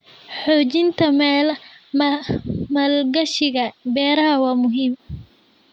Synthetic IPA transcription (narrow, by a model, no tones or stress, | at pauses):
ħɔːt͡ʃɪnt̪ʰɐmɛːl | mɐlɡɐʃɪɣɐbɛːɾɐhɐwɑːmʊɦiːm